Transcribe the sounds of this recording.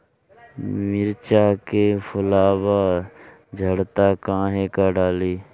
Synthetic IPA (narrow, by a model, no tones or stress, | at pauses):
mɪɾt͡ʃaːkepʰʊlaːbaː | d͡ʒʱəɽt̪aːkãːɦekaɖaːliː